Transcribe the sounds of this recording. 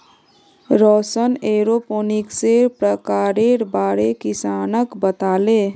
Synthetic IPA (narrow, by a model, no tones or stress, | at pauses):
ɾɔsəneɾoponikseɾpɾəkaɾeɾbaɾekisanəkbət̪ale